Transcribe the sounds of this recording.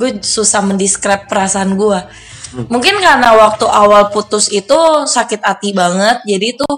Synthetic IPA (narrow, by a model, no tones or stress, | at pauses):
ɡuasusahməndiskɾɛp̚ːəɾasaːnɡua | muŋkɪnkanawak̚t̪uʔawalput̪ʊsit̪usakɪt̪̚at̪ibaŋət̪̚d͡ʒadit̪ʊ